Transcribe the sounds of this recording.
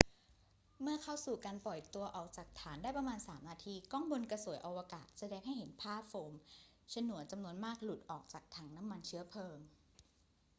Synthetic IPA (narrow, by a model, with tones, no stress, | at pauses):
mɯ˥˩ɐkʰa˥˩wsuː˨˩kaː˧npɔ˨˩jt̪u˧ɐʔɔː˨˩k̚t͡ɕaː˨˩k̚t̪ʰaː˩˦ndaː˥˩jpɾa˧maː˧nsaː˩˦mnaː˧t̪ʰiː˧kɔː˥˩ŋbo˧nka˧su˩˦jʔa˧waː˧kaː˨˩t̪̚sa˧dɛː˧ŋha˥˩jɦe˩˦npʰaː˥˩foː˨˦m | t͡ɕʰa˧nːu˨˩˦ənt͡ɕa˧mnu˧ənmaː˥˩k̚lu˨˩t̪̚ʔɔː˨˩k̚t͡ɕaː˨˩k̚t̪ʰa˧˩ŋna˦˥mːa˧nt͡ɕʰɯ˦˥ɐpʰɤː˧ŋ